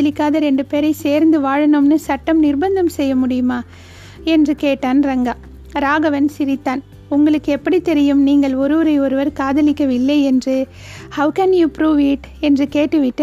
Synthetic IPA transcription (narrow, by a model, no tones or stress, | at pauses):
ɐlɪkːaːðɐɾɛɳɖɯpeːɾɐɪseːɾnd̪ɯʋaːɻɐnɯmnɯsɐʈːɐmnɪrbɐnd̪ɐmsɛjːɐmʊɽɪjɯmaː | ɛndrɯkeːʈːaːnɾɐŋɡa | ɾaːɣɐʋɐnsɪɾɪt̪ːaːn | ʊŋɡɐɭɯkːɯɛpːɐɽit̪ɛɾɪjɯmniːŋɡɐɭɔɾɯʋɐɾɐɪɔɾɯʋɐɾkaːðɐlɪkːɐʋɪlːɐɪɛndrɯ | hɐʋkɐnjuːpɾuːʋiːʈ | ɛndrɯkeːʈːɯʋɪʈːɯ